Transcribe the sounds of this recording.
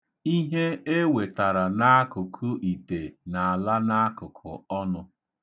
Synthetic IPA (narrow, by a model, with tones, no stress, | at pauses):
i˦ɦe˦e˦we˨ta˨ɾa˨na˦a˦kʊ˨kʰʊ˦ʔi˨te˨na˨a˨la˦na˦a˦kʊ˨kʰʊ̰˨ɔ˦nʊ˦